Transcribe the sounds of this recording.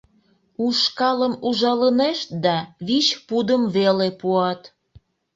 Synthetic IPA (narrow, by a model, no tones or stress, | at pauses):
uʃkɑləmuʒɑləneʃt̪̚d̪ɑβiɕpud̪əmβelepuɑt̪